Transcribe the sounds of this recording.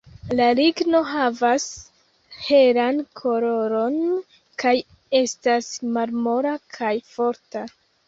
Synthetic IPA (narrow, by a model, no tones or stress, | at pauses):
laliɡno̞ɦavas | he̞ɾankʰo̞ɾo̞ɾo̞n | kaj | e̞stasmalmo̞ɾakʰajfo̞ɾta